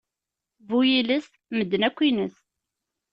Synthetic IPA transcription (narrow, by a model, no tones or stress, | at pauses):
vujiləs | məd̪ːənækʷːinəs